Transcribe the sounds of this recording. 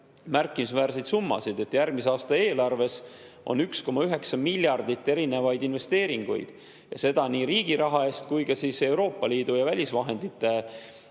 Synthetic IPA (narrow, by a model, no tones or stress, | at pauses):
mærkːˑimisvæːɾsejd̪sumːɑ̰sid̪e̞t̪ːjærɡmiseɑːst̪ɑe̞ːlɑrve̞s | o̞̰nyksko̞mɑyɦe̞ksɑmilʲːjɑrd̪̥it̪ːeɾinevɑjd̪inve̞st̪e̞ːɾiŋɡ̥ṵjd̪̥ | jɑ̰se̞d̪̥ɑniːɾiːɡ̥iɾɑɦɑe̞ːst̪kujɡɑsise̞wɾo̞ːpːˑɑliːd̪̥ujɑvælʲisvɑɦe̞nd̪̥it̪ːˑe